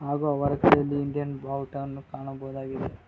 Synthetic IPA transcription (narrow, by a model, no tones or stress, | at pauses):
ɦaːɡuɐʋɐɾɐkɐjɐlːiːɳɖijɐnbʱaːwʈɐwnːukaːɳɐbɐɦud̪aːɡid̪e